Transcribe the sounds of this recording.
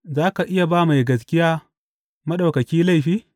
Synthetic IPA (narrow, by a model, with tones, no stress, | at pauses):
zaː˦ka˨ʔɪ˦ja˨baː˦ma˨jɡɐ˨s̬kʲɪ˦jaː˦ | mɐ˦ɗa˨wkɐ˨kʲiː˦la˦jɸiː˦